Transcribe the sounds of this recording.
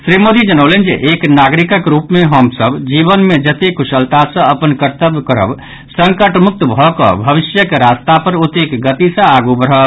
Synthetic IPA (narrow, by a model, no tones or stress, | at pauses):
sɾimod̪id͡ʒənəʊlend͡ʒeʔeknaɡɾikəkɾupmeɦəmsəbd͡ʒibənmed͡ʒət̪ekʰusəlt̪asə̃əpənkəɾt̪əbkəɾə̰b | səŋkəʈmʊk̚t̪bʱɔkə̰bʱəbisjəkeɾast̪apəɾut̪ekɡət̪isə̃aɡubəɾ̤ɦəb